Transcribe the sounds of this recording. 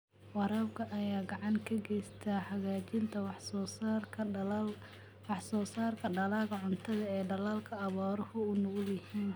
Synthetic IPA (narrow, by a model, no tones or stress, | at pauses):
wɑɾaːbkʰɐʔɐjaːɡɑʕɑŋkʰɐɡɛjst̪ʰaːħɑɣaːt͡ʃɪnt̪ʰɐwsrʰ | wɑħsɔːsaːrkʰɐɖɐlaːɣɐʕʊnt̪ʰɐðɐɛːɖɐlaːlkʰɐːβɔːɾɐhʊʊnʊɣʊjɪhiːn